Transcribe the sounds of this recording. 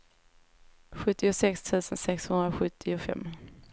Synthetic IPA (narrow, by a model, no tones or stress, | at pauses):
ɧɵt̪ːɪʊsɛkst̪ʰʉ̟ːsənsɛkshɵnd̪ɾaɧɵt̪ʰːɪʊfɛ̰mː